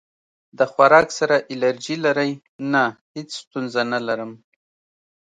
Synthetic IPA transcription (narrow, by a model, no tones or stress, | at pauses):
d̪əxwaɾɑksaɾaʔɪlaɾd͡ʒilaɾəj | nahet͡sst̪unzanalaɾəm